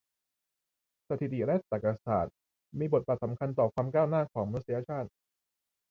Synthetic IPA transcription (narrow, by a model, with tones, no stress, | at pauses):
sa˧t̪ʰi˨˩t̪i˨˩lɛ˦˥t̪ːaː˨˩ka˧saː˨˩t̪̚ | miː˧bo˨˩t̪̚baː˨˩t̪̚sa˩˦mkʰa˧nt̪ɔː˨˩kʰwaː˧mkaː˥˩wnaː˥˩kʰɔː˩˦ŋma˧nu˥sa˧ja˧t͡ɕʰaː˥˩t̪̚